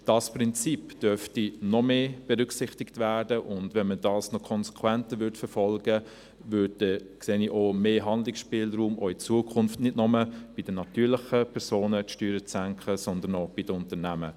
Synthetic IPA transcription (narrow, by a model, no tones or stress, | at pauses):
d̥ɑːsprɪnt͡sipd̥œɾftinɔmeːb̥ɛɾʏksɪχtɪktvæːɾdəʔʊndʋɛnmədɑːsnɔkʰɔnsɛ̥kʰwɛntəʋʏɾtfəfɔlɡə | vʏddɛkseːniʔoːmeːɦɑndlɪksʃpɪːlɾuːmʔoːit͡suəkʰχʊnftnɪdnɔməb̥id̥ənɑtyːɾlɪχəpʰɛɾsoːnətʃtyːɾət͡sæŋkχəsɔndənɔb̥idəʊntənæmə